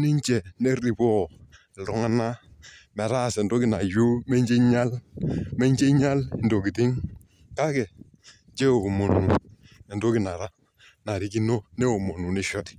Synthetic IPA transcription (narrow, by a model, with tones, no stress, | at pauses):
ni˦ɲ˦t͡ʃɛ˨ne˦ɾi˨bɔ˦˨ | ɾɔ˦ŋa˦na˦ | mɛ˨ɾa˦˨sɛ˨ndo˦ki˦na˨jo˦mɛ˦ɲd͡ʒe˦ɲa˦lmɛ˦ɲ˦d͡ʒe˦ɲa˦ln̩˨do˨ki˨ti˦ŋ | ka˦kɛ˨ | d͡ʒe˦o˨mo˨nu˨ | ɛ˨ndo˦ki˦na˨ɾa˦ | na˨ɾi˨˦ki˦no˦ne˦o˨mo˨nu˨ni˦ʃɔ˦t